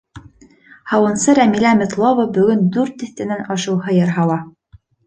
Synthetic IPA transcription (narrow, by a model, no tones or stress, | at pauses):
hɑwɤ̆nsɤɾæmilæmɘ̆t̪lˠovɤbɵ̆ɡɵnd̪ʉɾt̪ɘ̆θt̪ɘ̆nænɑʃɤ̆wɦɤjɤɾɦɑlˠɑ